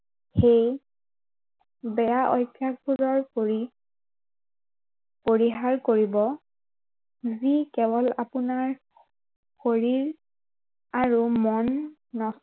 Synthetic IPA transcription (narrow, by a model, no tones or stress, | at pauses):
xej | bɛjaʔɔjkʰːjakpʰuɹɔɹi | poɹiɦaɹkoɹibɔ | zikɛbɔlapunaɹ | xoɹiɹ | aɹumɔnː | ɔs